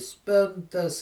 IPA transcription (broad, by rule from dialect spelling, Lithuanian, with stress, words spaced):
ˈsʲpʲɪntɐs